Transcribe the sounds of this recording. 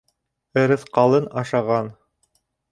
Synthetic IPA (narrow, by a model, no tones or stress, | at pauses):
ɘ̆ɾɘ̆θqɑlˠɤnɑʃɑʁɑn